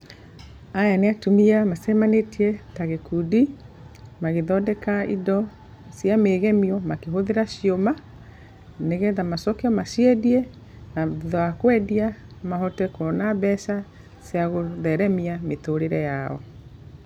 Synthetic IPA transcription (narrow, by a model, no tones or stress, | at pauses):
ajaneatumiamasɛmanetiɛtaɣekudi | maɣeðɔdɛkaidɔ | sjameːɣɛmiɔmakeɦoðeɾaɕioma | neɣɛðamasɔkɛɔmaʃiɛdiɛ | naðɔakwɛdiamaɦɔtɛkɔnabɛʃa | seaɣoðɛɾɛmiametoɾeɾɛjaɔ̰